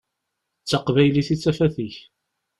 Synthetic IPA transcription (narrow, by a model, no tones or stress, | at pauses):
t͡sːəqvæjliθit͡sːæfæθiç